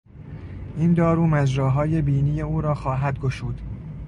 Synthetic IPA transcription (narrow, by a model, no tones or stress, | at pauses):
ʔind̪ɒːɾuːmæd͡ʒɾɒːɦɒːje̞biːniːjeuːɾɒːxɒːɦæd̪̚ɡoʃuːd̪̥